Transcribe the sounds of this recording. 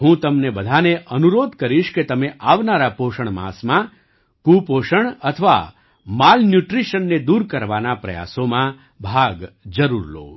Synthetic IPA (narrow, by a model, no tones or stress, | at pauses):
ɦũt̪əmnebəd̪ʱaneʔənuɾod̪kəɾiʃket̪əmeʔaʋnaɾapoʃəɳ̃mã̰smã | kupoʃəɳət̪ʰəʋa̰ | malnjuʈɾiʃənːed̪uɾkəɾʋanapɾɐ̰ja̰somã | bʱaɡd͡ʒəɾuɾlo̰ː